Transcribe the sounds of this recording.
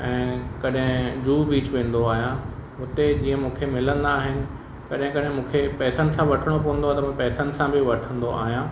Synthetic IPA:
ɛ̃ːkɐɗɦɪ̃d͡ʑuːbiːt͡ɕʋẽːn̆d̪oaːɦijã | ʊt̪ed͡ʑiːə̃mũːkʰemɪlə̃nd̪aːɦɪnɪ̆ | kɐɗɦɪ̃kɐɗɦɪ̃mũːkʰepɛːsənɪ̆sãʋɐʈʰəɽ̃opɐʋə̃nd̪oaːt̪ɐmũpɛːsən̆sãbɪʋɐʈʰə̃nd̪oʔa̰ːɦijã

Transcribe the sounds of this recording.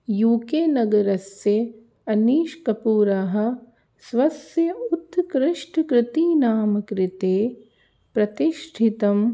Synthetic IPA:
juːkeːnɐɡɐɾɐsjɐ | ɐniːʃkɐpuːɾaɦɐ̆ | sʋɐsjɐut̪ːkɾɪʂʈʰkɾɪt̪iːnaːmɐkɾɪt̪eː | pɾɐt̪iʃʈʰit̪ɐm

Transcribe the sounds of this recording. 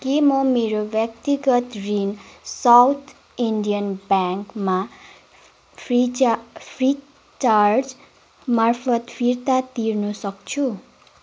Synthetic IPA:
kemʌmeɾobjʌkt̪iɡʌt̪rinsawt̪ʰ | iɳɖijʌnbaŋkma | pʰipʰri | t͡ʃard͡z | marpʰʌt̪pʰiɾt̪at̪irnusʌkt͡sʰu

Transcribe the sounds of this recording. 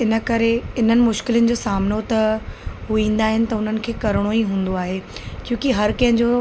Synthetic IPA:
ɪnə̆kɐɾeɪn̤ənɪ̆mʊʃkɪlənɪ̆d͡ʑoːsaːmnot̪ɐɦuĩːn̆d̪aːɦɪnɪ̆t̪ɐʊn̤ənɪ̆kʰeːkɐɾɽ̃oiɦũːn̆d̪oaːɦeːt͡ɕjũːkiɦɐɾkɐ̃ɦɲd͡ʑoː

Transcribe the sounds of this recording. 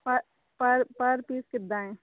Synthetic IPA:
pɐ | pɐɾpɐɾpiːskɪd̪aːẽ

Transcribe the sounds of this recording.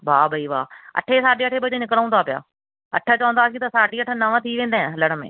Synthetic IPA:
baːbʱəiːʋa̰ːə̰ʈʰeːsaːɖeːəʈʰeːbəd͡ʒeːnɪklaːũnd̪aːpɪja̰ː | ə̰ʈʰaːt͡ʃãːnd̪aːsĩːt̪aːsaːɖiːəʈʰːaːnəʋãːt̪ʰiːʋẽːnd̪aːɛ̃ːləɽmḛ̃ː

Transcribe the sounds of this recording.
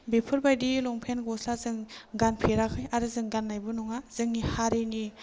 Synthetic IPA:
bepʰɯɾbajdilɔŋpʰenɡɔslazɯŋɡanpʰeɾakʰɯjaɾɯzɯŋɡanːajbɯnɔŋaz̥ɯŋnihaɾini

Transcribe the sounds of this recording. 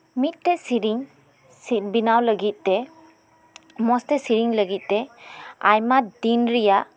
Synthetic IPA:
mit̚ːɛsiɾiŋ | sit̚binawləɡit̚de | mɔstesiɾiŋləɡit̚dɛajmadinɾija

